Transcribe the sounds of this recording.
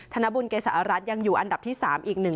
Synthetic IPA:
t̪ʰa˧na˦˥bu˧nkeː˧˩sa˧˩ʔa˧˩ɾa˦˥t̪̚ja˧ŋjuː˨˩ʔa˧nda˨˩p̚t̪ʰiː˥˩saː˩˦mʔiː˨˩k̚nɯ˨˩ŋ

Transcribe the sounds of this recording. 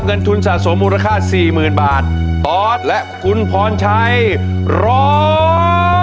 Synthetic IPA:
p̚ŋɤ˧nt̪ʰu˧nsaː˨˩t̪̚so˩˦mːuː˧ɾa˧kʰaː˥˩t̪̚siː˨˩mɯː˨˩nbaː˨˩t̪̚ːɔː˦˩t̪̚lɛ˦˥ʔkʰu˧npʰɔː˦˥nt͡ɕʰa˦˥j | ɾɔ˧˦

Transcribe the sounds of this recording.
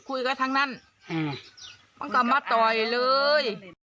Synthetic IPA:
kʰu˧˩jka˧˥˩t̪ʰaː˧˥ŋna˧˥˩n˧ | ma˧˥˨nka˨˩maː˧˩t̪ɔː˨˩jlɤː˧j

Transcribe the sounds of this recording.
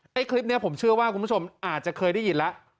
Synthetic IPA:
ʔa˥˩jkʰli˦˥p̚ni˦˥ɐpʰo˩˦mt͡ɕʰɯ˥˩ɐwaː˥˩ku˧npʰu˥˩o˧mʔaː˨˩t̪̚t͡ɕa˨˩kʰɤː˧jda˥˩ji˨˩˦nlɛ˦˥ʔ

